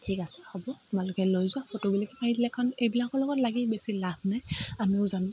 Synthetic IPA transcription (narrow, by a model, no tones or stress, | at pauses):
tʰikasɛ̥hɔbɔtumalʊkɛlojzʊapʰɔtobilakɛpaidilakʰːɔnejbilakɔlɔɡɔtlaɡibesilab̚ʰnajamiʊzam